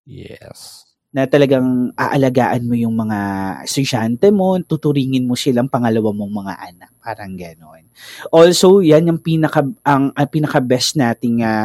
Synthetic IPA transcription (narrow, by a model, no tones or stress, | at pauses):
jɛ̰s | nɐt̪ɐlɐɡaŋʔa̰ːʔɐlɐɡa̰ːʔɐnmo̞jʊŋmɐŋaɛst̪ʊd͡ʒant̪ɛmo̞t̪ut̪ʊɾiːŋɪnmo̞sɪlaŋpɐŋɐlɐwamo̞ŋmɐŋa̰ʔɐnak̚paːɾɐŋɡɐno̞nʔolso̞wjanɐŋpiːnɐkɐʔɐŋʔɐpiːnɐkɐbɛst̪naːt̪ɪŋa